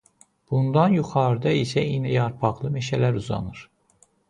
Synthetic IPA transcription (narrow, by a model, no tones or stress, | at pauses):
b̥und̪ɑnjuχɑɾd̪ɑisæinæjɑɾpʰɑʁlˠɯmeʃælæɾuzɑ̰nɯɾ̥